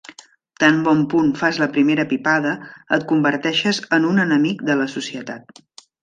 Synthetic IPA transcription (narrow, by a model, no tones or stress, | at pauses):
t̪ambɔmpunfazləpɾimeɾəpipaðəət̪̚kumbəɾt̪ɛʃəzənunənəmikd̪ələsusiət̪a̰t̪̚